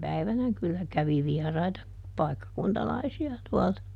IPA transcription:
pæiʋænæ kylːæ kæʋi ʋiɛrɑitɑ pɑikːɑkuntɑlɑisiɑ tuɔltɑ

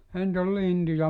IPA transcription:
ehæ nt ol lintujɑ

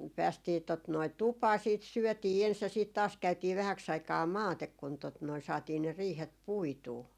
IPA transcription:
pæːstiː tot noi tupɑː siːt syœˑtiː ens jɑ siːt tɑːs kæytiː ʋæhæks ɑikɑː mɑːtek kun tot noi sɑːtiː ne riːhet puituː

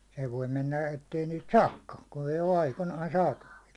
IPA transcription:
se ʋoi menːæ etːei niːt sɑːkːɑːn kun ei o ɑikonɑːn sɑːtɑʋil

